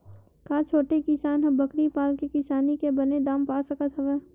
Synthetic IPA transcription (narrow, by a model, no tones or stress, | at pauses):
kaːt͡ʃʰoːʈekɪsaːnɦɐbəkɾipaːlkekɪsaːnikebɐned̪aːmpaːsəkət̪ɦɛʋeː